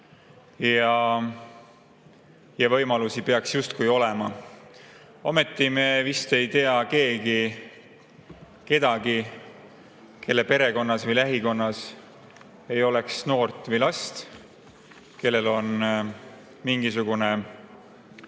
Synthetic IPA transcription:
jɑ | jɑvɤ̞jmɑlusipe̞ɑksjust̪̚kujo̞lɛmɑ | omet̪ːˑimevist̪e̞jt̪eɑke̞ːɡi | ke̞d̪ɑɡi | kʰe̞lːe̞pe̞ɾe̞ko̞nːɑsvɤjlæɦiko̞nːɑs | e̞jo̞leksno̞ːrt̪ːˑvɤjlɑst̪ | ke̞lːe̞lo̞n | miŋɡisuɡ̥une̞

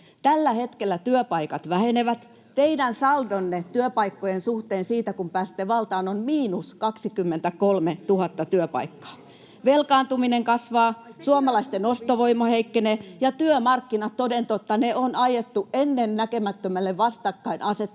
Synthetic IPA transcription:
t̪ælːæhet̪kelːæt̪yøpɑikɑt̪ʋæheneʋæt̪ | t̪eidænsɑldonːet̪yøpɑikːojensuht̪eːnsiːt̪ækumpæːst̪ːeʋɑlt̪ɑːnonmiːnuskɑksikymːent̪ækolmet̪uhɑt̪ːɑt̪yøpɑ̰ikːɑ̥ː | ʋelkɑːnt̪umineŋkɑsʋɑːsuomɑlɑist̪enost̪oʋoimoheikːenejɑt̪yømɑrkːinɑt̪t̪odent̪ot̪ːɑneonɑjet̪ːuenːennækemæt̪ːømælːeʋʋɑst̪ɑkːɑinʔɑset̪ː

